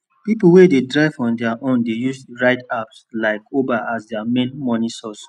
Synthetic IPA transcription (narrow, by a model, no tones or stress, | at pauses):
pipuwededɹaɪvɔ̃ndɛaʔõndejusɹaɪtapslaɪkobaʔasdɛamẽnmɔnisɔs